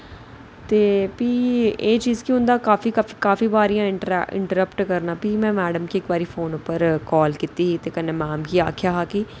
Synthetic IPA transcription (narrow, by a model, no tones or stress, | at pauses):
t̪eːpiːeːt͡ʃiːzkiɦʊ̃nd̪aːkaːfikaːfi̥kaːfiːbaːɾijãːɪɪ̰̃ɳʈəɾəpʈkəɾnaːpimɛ̃ːmɛːɖəmkiekbaːɾiːfʰoːnʊpəɾkɔːlkit̪iːɦit̪eːkənːẽːmaːmkiaːkʰjaːɦaːkiː